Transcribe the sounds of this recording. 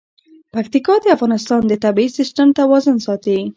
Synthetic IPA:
pakt̪ikɑd̪əafɣɑnɪst̪ɑnd̪ət̪abiisist̪əmt̪awɔzʊnsɑt̪i

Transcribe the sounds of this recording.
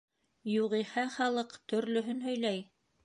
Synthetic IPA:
juʁihæχɑlˠɤqt̪ɵ̆ɾlɵ̆ɦɵnɦɵ̆jlæj

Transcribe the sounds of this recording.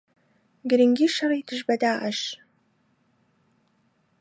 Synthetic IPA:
ɡɨɾɨŋɡʲiʃɐriːdʰɨʒbɐdaːʔɐʃ

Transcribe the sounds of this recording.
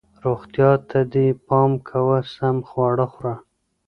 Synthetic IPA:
ɾoxt̪jɑt̪ʰad̪ipɑmkʰawəsamxwɑɽəxɾa

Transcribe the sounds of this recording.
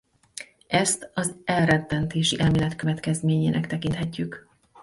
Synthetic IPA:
ɛst̪ɒzɛlrɛt̪ːɛnt̪eːʃiʔɛlmeːlɛt̪kø̞vɛt̪kɛzmeːɲeːnɛkt̪ɛkint̪hɛcːyk

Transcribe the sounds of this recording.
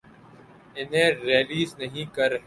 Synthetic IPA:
ɪnɦẽːɾeːliːznɐɦĩːkɐɾɦe

